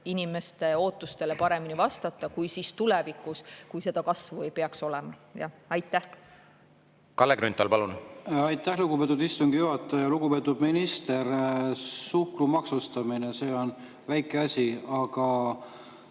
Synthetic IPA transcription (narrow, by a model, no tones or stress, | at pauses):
inime̞st̪e̞o̞ːt̪ːˑust̪e̞lepɑɾe̞minivɑst̪ɑt̪ːˑɑkujsiːst̪ulɛvikːˑuskujse̞d̪̥ɑkɑsvue̞jpe̞ɑkso̞lɛmɑjɑ̰ɑjt̪ːˑæh | kɑlːeɡɾynt̪ːˑɑlpɑlunɑjt̪ːˑæhluɡ̥upe̞t̪ːˑud̪ist̪uŋɡ̥ijuhɑt̪ːˑɑjɑluɡupe̞ːt̪ːud̪minist̪eɾ | suhkrumɑksust̪ɑminese̞ːon | væjkːˑeɑsʲiɑɡɑ